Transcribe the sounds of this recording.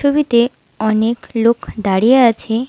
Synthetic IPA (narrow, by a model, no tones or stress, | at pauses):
obit̪e | ɔneklokd̪aɽijeat͡ɕʰe